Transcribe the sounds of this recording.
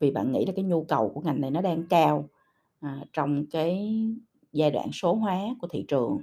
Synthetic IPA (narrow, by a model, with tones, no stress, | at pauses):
vi˨˩ɓa̰ː˧˨nŋḭ˧˥la˨˩kaː˨˦jɲu˧kə˨˩wku˧˩əŋa˨˩jna˨˩jnɔ˨˦ɗaː˧ŋkaː˧w | ʔt͡ɕɔ˧wŋ͡mkaː˨˦j | zaː˧jɗwa̰ː˧˨nso˨˦ɦwaː˨˦ku˧˩ət̪ʰḭ˧˨t͡ɕɨ˨˩əŋ